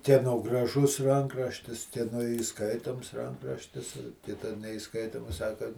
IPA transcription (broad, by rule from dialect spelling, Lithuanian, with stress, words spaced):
kʲiɛˈnoː ɡrɐˈʒʊs ˈrɐŋkrɐʃʲtʲɪs kʲiɛˈnoː iːˈskɐɪtoːms ˈrɐŋkrɐʃʲtʲɪs ˈkʲɪtɐ nʲɛɪˈskɐɪtoːmɐs ˈsɑːkɐ